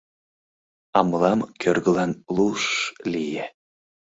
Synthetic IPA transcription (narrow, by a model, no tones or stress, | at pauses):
ɑmlɑmkʲʰørɣəlɑnlˠuʃlʲije